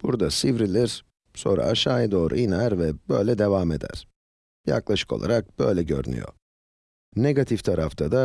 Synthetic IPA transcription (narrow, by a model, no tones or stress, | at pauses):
b̥uɾd̪asivɾilʲiɾ | so̞̰nɾa̰aʃaːjad̪o̞ːɾʔṵinæɾvɛbø̞jlʲɛd̪e̞vame̞d̪æ̰ɾ̥ | ja̰klˠaʃɯ̥ko̞̰lˠa̰ɾak̚b̥ø̞jlʲɛɟø̰ɾy̰ny̰jo̞̰ | neɡat̪ʰift̪ʰaɾaft̪ʰad̪a